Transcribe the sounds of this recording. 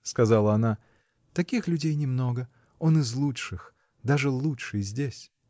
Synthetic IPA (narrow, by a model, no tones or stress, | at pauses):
skɐzalˠəɐna | t̪ɐkʲixlʲʉdʲejnʲɪmno̞ɡə | o̞nɨzlˠuʂɨx | d̪aʐɨlˠutʂɨjzʲdʲesʲ